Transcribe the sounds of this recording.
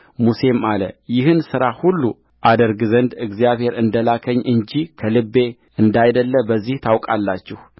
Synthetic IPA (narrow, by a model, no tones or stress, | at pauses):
muse̞malə̰jɪhɨnsɨɾahulːu | ʔad̪əɾɡɨzənd̪ɨɡzijaβhe̞ɾɨnd̪əlakʰəɲːʔɨɲd͡ʒikʰəlɨbːe̞ | ɨnd̪ajd̪əlːəbəzːiht̪ʰawkʼalːat͡ʃːɛh